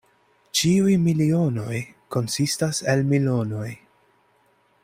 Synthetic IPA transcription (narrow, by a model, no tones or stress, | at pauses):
t͡ʃiujmilio̞no̞j | ko̞nsistase̞lmilo̞no̞j